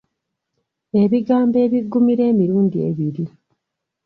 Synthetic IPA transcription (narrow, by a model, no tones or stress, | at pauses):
e̞βiɡaːmbe̞ːβiɡumiɾe̞ːmiɾuːndie̞̰βiɾi